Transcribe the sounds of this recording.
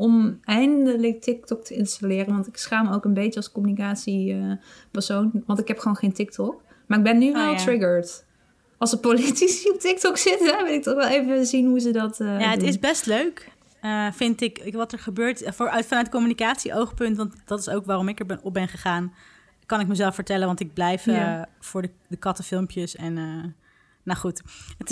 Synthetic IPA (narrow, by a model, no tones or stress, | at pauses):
ʔɔmɛjndələk̚tɪk̚tɔk̚tʰəɪnstalɪːrənʋɑntɪksχaːmowkənbejt͡ʃəɑlˠskɔmynikaːtsiəpɛɹsownʋɑntɪkɦɛpχʋoːnχejntɪk̚tʰɔk | maːɹɪɡ̚bɛnːyʋɛlˠtɹɪɡəɹt | ɑlˠsəpolitisiɔp̚tɪk̚tɔksɪtɛʋɪlˠɪk̚tɔχʋɛlˠejvəzinɦuzədɑtːjaːɦətɪsbɛstløɥk | əfɪntɪkʋɑtəɹχəbøːɹtːœtfɑnœɥtdəkomynikaːtsiʔowχpɵntʋɑntdɑtɪ̥sowkʋaːrɔmɪkɛɹbɛnɔp̚bɛnχəχaːn | kɑnɪkməzɛlˠfəɹtɛlənʋɑntɪɡ̚blɛjfəv̥ʊːɹdədəkɑtəfɪlˠmpjəsɛnə | naχutət